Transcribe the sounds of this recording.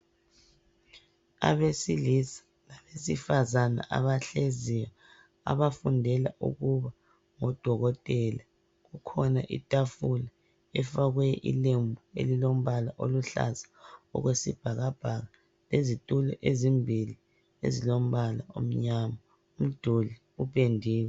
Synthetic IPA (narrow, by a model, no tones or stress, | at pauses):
a̰βesilisḁ | laβesifazana̰ʔa̰βaɬezija | a̰βafundʱɛla̰ʔṵɣuβa | ŋɔd̥ʱɔɣɔtʼɛːla | ɣukʰɔnaʔḭtʼafula | ɛfaɣwɛʔḭlembʱuḛlilom̩βalaʔoluɬa̰zḁɔ̰ɣwesḭb̥ʱaɣab̥ʱaɣa | lezitʼulɛʔezimbʱili | ḛzilom̩βalao̰m̩ɲama | um̩d̥ʱoli | upʼendʱiːw